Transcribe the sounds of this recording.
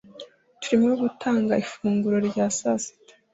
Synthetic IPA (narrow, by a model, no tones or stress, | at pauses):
tu̥ɾimuoɡutʰaːŋɡaifuːŋɡuɾo̞ɾɟaːsasi̥tḁ